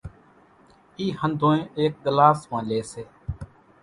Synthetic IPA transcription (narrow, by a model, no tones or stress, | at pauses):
iːhənd̪ʱõːẽːʔeːk̚ɡəlaːsmãːleːseː